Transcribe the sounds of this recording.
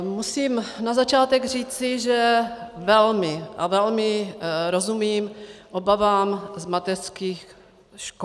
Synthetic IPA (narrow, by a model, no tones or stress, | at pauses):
musiːmnazat͡ʃaːt̪ɛɡr̝iːt͡sɪʒɛvɛlmɪʔa̰vɛlmɪɾozumiːmʔobavaːmzmat̪ɛr̥skiːx | ʃko